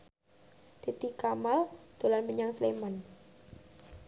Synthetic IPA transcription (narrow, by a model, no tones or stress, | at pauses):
t̪it̪ikamald̪̥o̤lanməɲaŋsleman